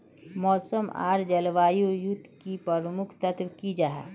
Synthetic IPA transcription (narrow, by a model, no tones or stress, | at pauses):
mɔːsəma̰ːɾd͡ʒəlʋaːjojʊt̪ːkipəɾmʊkʰt̪ət̪ʰʋkid͡ʒaːɦɛ̰ː